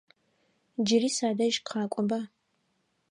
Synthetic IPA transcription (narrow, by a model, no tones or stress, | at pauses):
d͡ʒɪɾiːsaːdɐʒkqʰɑːkʷʼɔba